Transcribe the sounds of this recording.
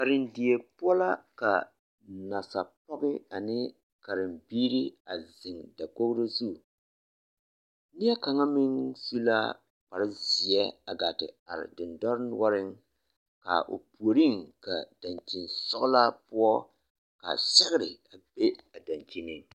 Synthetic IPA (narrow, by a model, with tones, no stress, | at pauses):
ka˨ɾɪ˨ndi˨e˨pʊ˦ɔ˦la˦ka˨ | na˨sa˨pɔ˦ɡɪ˦a˨nɪ˦ | ka˨ɾɪ˨mbiː˦ɾi˦a˨zɪ˨ŋda˨ko˦kɾi˦zu˦˨ | ni˦ɛ˦ka˨ŋa˦mɪ˦ŋsu˦la˦ | pa˨ɾɪ˦zi˨ɛ˦a˨ɡa˨tɪ̰˨a̰˨ɾɪ̰˨dɪ˨ndɔ˦ɾnwɔ˦ɾɪ˦ŋ | ka̰˨ʔo̰˨pu˨o˨ɾi˦ŋka˨da˨nt͡ʃi˨nsɔ˦kla˦pʊ˦ɔ˦ | ka̰˨sɛ˦ɣɪ˦ɾɪ˨a˨be˦a˨da˨nt͡ʃi˦nɪ˦